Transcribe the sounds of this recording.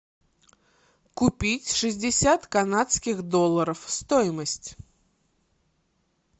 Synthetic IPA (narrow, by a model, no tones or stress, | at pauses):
kʊpʲitʲʂɨzʲdʲɪsʲat̪kɐnat̪skʲɪxd̪olˠːəɾəfst̪ojɪməsʲtʲ